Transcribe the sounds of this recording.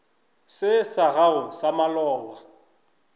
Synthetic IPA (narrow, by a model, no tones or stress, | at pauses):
sɪsaɣaʊsamalɔːwa